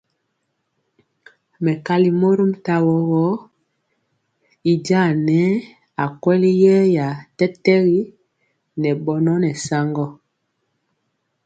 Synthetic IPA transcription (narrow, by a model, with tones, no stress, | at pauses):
mɛ˨ka˨li˨mo˦ɾu˦mta˦wɔ˦ɣɔ˦ | i˨d͡ʒa˦˨nɛ˦ | a˨kwɛ˦li˦jɛ˦ja˨tɛ˦tɛ˦ɣi˦ | nɛ˨ɓɔ˨nɔ˦nɛ˨sa˦ŋɡɔ˦